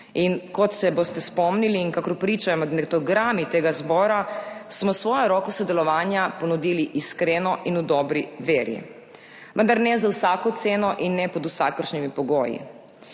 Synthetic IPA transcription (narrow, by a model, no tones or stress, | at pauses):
inkɔt̪sɛboːst̪ɛspɔmniliːnkakɔɾpɾiːt͡ʃajmɔd̪nɛkt̪ɔɡɾamit̪eːɡazbɔːɾasmɔsʋɔːjɔɾɔkɔsɔd̪ɛlɔʋaːnjapɔnud̪iliʔiskɾenɔʔinud̪ɔːbɾiʋeːɾḭ | ʋənd̪aɾnɛzawsaːkɔt̪seːnɔʔinːɛpɔd̪usaːkəɾʃnimipɔɡoːjḭ